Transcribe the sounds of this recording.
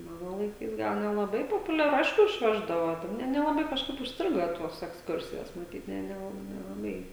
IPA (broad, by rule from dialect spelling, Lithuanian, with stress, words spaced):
ˈmɑːnoː lˠɐɪˈkɐɪs ˈɡɐlˠ nʲɛlˠɐˈbɐɪ poːpʊlʲɛˈrʊ ˈɐɪʃkʊ ɪʃʲˈʋʲæːʒdɐʋoː ˈnʲɛ nʲɛlˠɐˈbɐɪ kɐʃˈkɐɪp ʊʃʲsʲˈtʲrʲɪɡoː ˈtuɔs ɛksˈkʊrʲsʲɪjoːs mɐˈtʲiːt ˈnʲɛ nʲɛˈlˠɐp nʲɛlˠɐˈbɐɪ